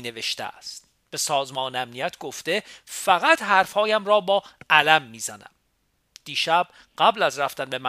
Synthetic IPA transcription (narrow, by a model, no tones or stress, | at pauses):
ne̞ve̞ʃt̪ḛæ̰st̪ | b̥e̞sɒːzmɒːneæmnijæt̪ʰɡ̥oft̪e̞fæɣæt̪hæɾfhɒːjæmrɒːbɒːʔælæmːiːzænæ̰m | d̪̥iːʃæb̥̚ | ɢ̥æblæzræft̪ænbe̞mæ